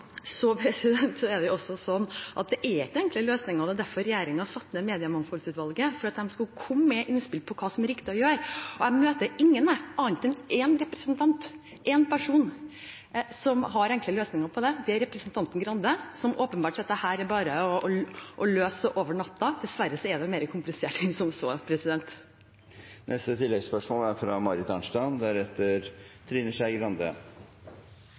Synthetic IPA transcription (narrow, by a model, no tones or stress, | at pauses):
sɔpʰɾɛsɪd̪ɛnt̪sɔɛɖ̪ɛʊɔsːɔsɔnːʔɑt̪̚d̪ɛʔɛɾɪkːəɛŋkləløːsnɪŋəɾɔd̪ɛæd̪æɾfɔɾɛjeːɾɪŋɑsɑt̪ːmɛmeːd̪ɪəmɑnfulsʉːt̪ʋɑlɡəfɔɾɑt̪̚d̪ɛmskʉlkʰɔmːɛʔɪnspɪlpʰɔkʰɑːsɔmæɾɪkt̪ɪɔjøːɾɔæmøːt̪əɪŋːənɛɑːənt̪ʰɛnɛnɾɛpɾɛsənt̪ʰɑnt̪ | ʔɛnpʰæʂuːn | sɔmɦɑɾɛŋkləløːsnɪŋɑpʰɔd̪ɛd̪ɛæɾɛpɾɛsnt̪ʰɑnt̪ən̩ɡɾɑnd̪əsɔmoːpənbɑːʈʂɑt̪̚d̪ɛhæːɾæɾbɑːɾəɔɔʔɔløːsəʔoːʋəɳɑt̪ːɑd̪̥ɛsʋæɾːəsɔæd̪ɛmeːɾəkʰʊmplɪseːʈsɔmsoːpʰɾɛsɪd̪ɛnt̪ | nʔɛst̪ət̪ʰɪlːɛɡspœʂmoːlæɾfɾɑmɑɾɪt̪ʰɑnʂʈɑnd̪æɾɛt̪ːəɾt̪ʰɾiːnəʂæɪɡɾɑnd̪ə̰